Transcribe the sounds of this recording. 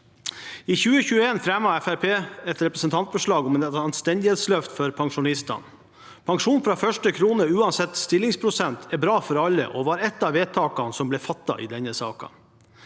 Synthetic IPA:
iːçʉːəçʉːəeːnfɾɛmɑɛfæɾpʰeːɛt̪ɾɛpɾəsənt̪ʰɑnt̪bəʂɭɑːɡɔmɛːnɑnst̪ɛnd̪ɪheːt̪slœft̪fɔɾpʰɑŋʂʊnɪst̪ɑ̰n | pʰɑŋʂuːnfɾɑːfœʂʈəkʰɾuːnəʉːɑnsɛt̪st̪ɪlːɪŋspʰɾʊsɛnt̪ʰɛɾbɾɑːfɔɾɑlːə̰ʔɔʋɑːɾɛt̪ːɑːʋeːt̪ʰɑːkɑnsɔmblɛːfɑt̪ːɑ̰ʔɪ̰d̪ɛnəsɑ̰ːkɑ̰

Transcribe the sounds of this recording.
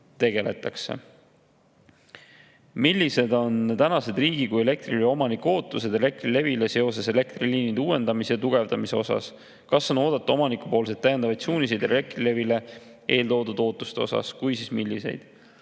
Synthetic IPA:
t̪e̞ɡ̥e̞le̞t̪ːˑɑkse̞̰ | milːise̞d̪o̞nt̪ænɑse̞d̪riːɡ̥ikuje̞le̞k̚t̪rilo̞mɑniko̞ːt̪ːˑuse̞d̪e̞le̞k̚t̪rile̞vile̞se̞o̞se̞se̞le̞k̚t̪riliːnid̪uːe̞nd̪̥ɑmisjɑt̪uɡ̥e̞vd̪̥ɑmiseo̞sɑ̰s | kɑso̞no̞ːd̪ɑt̪ːˑu̥o̞mɑnikupo̞ːls̬e̞d̪t̪ːæjend̪ɑvɑjt̪suːnise̞jd̪̥re̞k̚t̪rile̞vile̞ | ʔeːlt̪o̞ːd̪ud̪̥o̞ːt̪ːˑu̥st̪e̞o̞sɑ̰skujsismilːise̞̰jd̪̥

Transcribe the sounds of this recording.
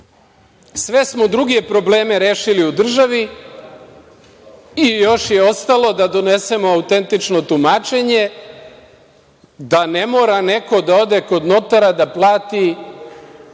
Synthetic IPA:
sʋe̞smo̞d̪ɾuɡepɾo̞ble̞ːme̞ɾeːʃiliud̪r̩ʒaʋi | ijo̞ʃje̞o̞st̪alo̞d̪ad̪o̞ne̞se̞mo̞aut̪e̞nt̪it͡ʃno̞t̪umaːt͡ʃe̞ɲe̞ | d̪ane̞mo̞ːɾane̞ko̞d̪ao̞d̪e̞ko̞d̪no̞t̪aɾad̪aplˠaːt̪i

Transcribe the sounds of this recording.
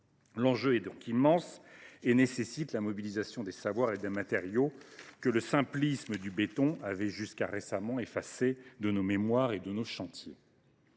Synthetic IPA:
lɑ̃ʒøɛd̪ɔ̃kʲimɑ̃senesesit̪lamɔbilizasjɔ̃d̪esavwaʁed̪emat̪eʁjokələsɛ̃plisməd̪ybet̪ɔ̃avɛʒyskaʁesamɑ̃efased̪ənomemwaʁed̪ənoʃɑ̃t̪jḛ

